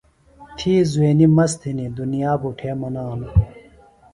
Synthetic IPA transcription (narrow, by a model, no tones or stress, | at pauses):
t̪ʰiːzuweːnimɐst̪ʰinid̪unijaːbuʈʰeːmɐnaːn